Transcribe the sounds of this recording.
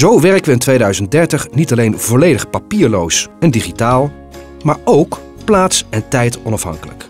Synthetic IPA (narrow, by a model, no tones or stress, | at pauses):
zowʋɛɹkəʋəɪntʋejdœɥzənt̚dɛɹtəχnitɑlejnvɔlejdəχpapiːɹlowsɛndiχitaːlˠ | maːɹowk | plaːtsɛntɛjtɔnɑfɦɑ̰ŋkələ̰k